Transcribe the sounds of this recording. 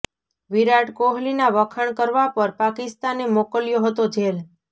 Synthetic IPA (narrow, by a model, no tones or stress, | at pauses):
ʋiɾaʈkoɦlinaʋəkʰəɳkəɾʋapəɾpakɪst̪anemokəljoɦət̪od͡ʒel